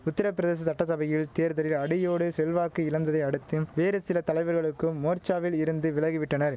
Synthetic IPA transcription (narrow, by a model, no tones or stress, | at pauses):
ʊt̪ːɐɾɐpːɪɾɐðeːs̬ɐsɐʈːɐsɐʋɐjɪlt̪eːɾðɐɾɪlɐɽɪjoːɽɯsɛlʋaːkɯɪlɐnd̪ɐðɐɪɐɽɯt̪ːɯmʋeːɾɯsɪlɐt̪ɐlɐɪʋɐɾɣɐɭɯkːɯmːoːɾt͡ʃaːʋɪlɪɾɯnd̪ɯʋɪɭɐɣɪʋɪʈːɐnɐɾ